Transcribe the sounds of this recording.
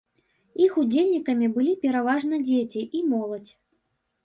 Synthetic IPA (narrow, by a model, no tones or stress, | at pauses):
ixud͡zʲelʲnʲikɐmʲibɨlʲipʲɛɾavaʐnɐd͡zʲet͡sʲiʔimɔlˠɐt͡sʲ